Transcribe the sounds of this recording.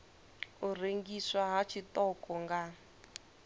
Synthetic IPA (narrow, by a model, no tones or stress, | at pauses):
ureŋɡiswaɦat͡ʃʰit̪ɔkɔŋɡa